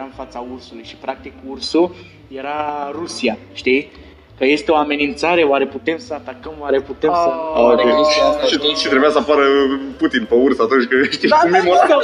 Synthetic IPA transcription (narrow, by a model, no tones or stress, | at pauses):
ɾaɨnfat̪saursulujʃi̥pɾak̚t̪ikursu | jeɾarusiaʃt̪i | kəje̞st̪eo̞ame̞nint̪saɾe̞oaɾe̞put̪e̞msəat̪akəmoaɾe̞put̪eəokeusiaʃiʃit̪ɾebujasəapaɾəput̪inpeursəat̪unt͡ʃʲkɨʃt̪iumemoə